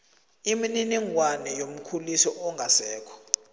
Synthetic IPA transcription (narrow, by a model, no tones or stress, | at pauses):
imininiŋwanɛjom̩kʰulisɔʔɔŋɡʱasɛːkʰɔ̥